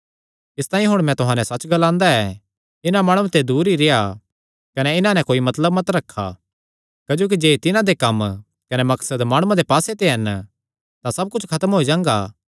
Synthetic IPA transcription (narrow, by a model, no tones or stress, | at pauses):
ɪst̪aːĩɦʊɽ̃mɛ̃t̪ʊɦãːnɛ̃sɐt͡ʃːɡɐlãːnd̪aɛ | ɪnamaːɽ̃ũt̪ed̪uːɾiɾea | kɐnɛɪnãnɛ̃koːimɐt̪ləbmɐt̪ɾɐkʰːa̰ | kɐd͡ʒoːk̬id͡ʒeːt̪ɪnãd̪ekɐm | kɐnɛmɐksəd̪maːɽ̃ũãd̪epaːset̪eɦɐn | t̪ãsɐb̚kʊt͡ʃʰkʰɐt̪əmɦoːid͡ʒãːŋɡaː